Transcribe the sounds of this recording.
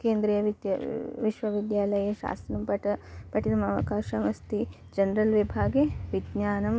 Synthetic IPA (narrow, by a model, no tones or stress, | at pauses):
keːnd̪ɾiːjɐʋiʋiʃʋɐʋid̪jaːlɐjɐʃa̰ːsɐnɐmpɐʈɐpɐʈinɐmɐʋɐ̰kaːʃɐʋɐst̪i | d͡ʒɐnɾɐlʋibʱaːɡeʋid̪ɲaːnɐm